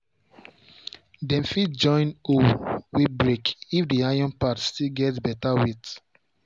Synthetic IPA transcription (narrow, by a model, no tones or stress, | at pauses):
dɛ̃mfitd͡ʒɔ̃ɪ̃nowibɹekifdiajɔ̃npatstilɡɛtbɛtawit